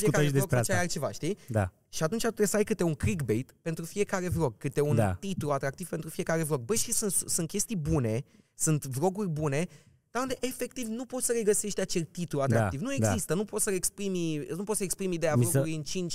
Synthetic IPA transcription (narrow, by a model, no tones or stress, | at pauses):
fiekaed̪eɾokt͡ʃajalt͡ʃe̞vaʃt̪id̪a̰ | ʃiat̪unt͡ʃat̪ut̪ɾejsəajkɨt̪euŋkɾikbe̞jt̪pe̞nt̪ɾufije̞kaɾe̞vɾo̞ɡ̚kɨt̪euna̰t̪it̪uluat̪ɾak̚t̪iv̥pe̞nt̪ɾufie̞kaɾe̞vɾo̞ɡ̚bəʃisunssunt̪̚kʲe̞st̪ijbune̞ | sunt̪vɾo̞ɡurʲbune̞ | d̪̥aũnd̪eʔefe̞k̚t̪ivnupo̞t̪səɾe̞ɡəse̞ʃt̪ʲat͡ʃelit̪uluat̪ɾaak̪ivnue̞ɡdɡzaist̪ənupo̞t̪səɾekspɾiminupot̪səekspɾimid̪ejavouliɨnt͡ʃint͡ʃʲ